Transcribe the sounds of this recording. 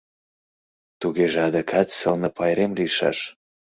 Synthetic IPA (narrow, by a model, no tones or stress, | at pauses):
t̪uɣeʒeɑd̪əkʰɑt̪səlnɤ̆pɑjɾemliʃɑ̰ʃ